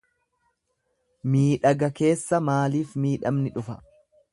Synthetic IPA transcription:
miːᶑɐɡɐke̞ːsːɐmaːliːfmiːᶑɐmnɪᶑʊfɐ̥

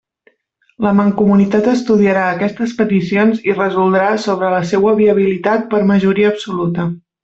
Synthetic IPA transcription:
ləməŋkumunit̪at̪əst̪uðiəɾaəkɛst̪əspət̪isionzirəzulˠd̪ɾasoβ̞ɾələsewəβiəβ̞ilit̪at̪̚pəɾməʒuɾiəːpsulut̪ə

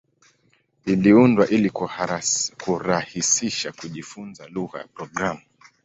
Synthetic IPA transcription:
iliundwaʔilik | kuɾahisiʃakuʄifunzaluɣa̰ja̰pɾɔɡɾamu

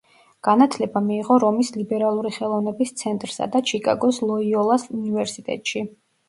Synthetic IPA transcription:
ɡ̥anat̪ʰlɛbamiːʁɔɾɔmislibɛɾalˠuɾiχɛlˠɔvnɛbist̪sʰɛnt̪ʼɾsa̰d̪at͡ʃʰikʼa̰ɡɔslˠɔiɔlˠasunivɛɾsit̪ʼɛ̰t̪ʼʃi

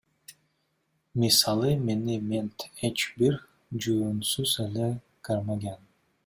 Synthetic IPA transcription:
misɑlˠɯmenimʲent̪ʰet͡ʃbiɾ | d͡ʒuːnsuzele | kaɾmaɡʲan

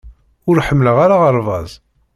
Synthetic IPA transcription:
ʊɾħəmːləʁaɾaʁəɾˤvɑzˤ

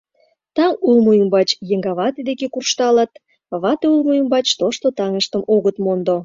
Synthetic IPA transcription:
t̪ɑŋulmojəmbɑt͡ɕjeŋɡɑβɑt̪ed̪ekekurʃt̪ɑlət̪̚ | βɑt̪eulmojəmbɑt͡ɕt̪oʃt̪ot̪ɑŋəʃt̪əmoɣət̪mond̪o

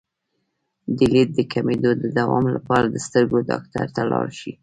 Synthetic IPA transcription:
d̪əlid̪̚d̪əkʰamed̪od̪əd̪awɑmlapɑɾad̪əst̪əɾɡodɑ̰k̚t̪a̰ɾt̪alɑ̰ɾʃi

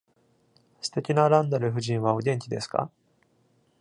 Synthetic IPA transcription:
sɨ̥t̪e̞kʲinaɾãnd̪aɾɯ̟ɸɯ̟ʑĩɰ̃βaod̪ẽ̞ɲ̟t͡ɕʲid̪e̞sɨ̥ka̰

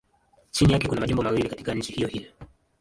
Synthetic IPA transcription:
t͡ʃinijakɛkunamaʄumbɔmawilikati̥kaɲ̩t͡ʃihijɔhijɔ

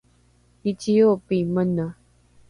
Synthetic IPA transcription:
it͡ɕijopimənə

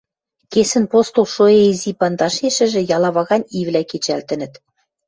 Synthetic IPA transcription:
kesɘ̆npost̪ulʃoeizipɑnd̪ɑʃeʃɘ̆ʒɘ̆jɑlˠɑβɑɣɑnʲivlʲæket͡ɕælt̪ɘ̆nɘ̆t̪

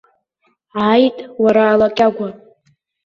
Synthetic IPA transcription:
ajtʼwaɾaːlakʲʼaɡʷa

